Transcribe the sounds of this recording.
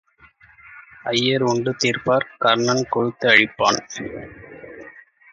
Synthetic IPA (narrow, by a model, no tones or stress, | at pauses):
ɐjːɐɾʊɳɖɯt̪iːɾpaːɾkɐɾɳɐnkɔɻɯt̪ːɯɐɻɪpːaːn